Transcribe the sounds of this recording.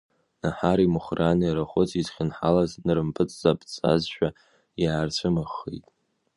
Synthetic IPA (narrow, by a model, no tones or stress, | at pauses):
naħaɾimɨχranɨjaɾaχʷʊt͡sʰizχʲɪnħalaznɨɾɨmpʰʼɨt͡sʼz̥apʰʼt͡sʼa̰zʃᶣa | jaːrt͡ɕʷʰɨmaχːḛjtʼ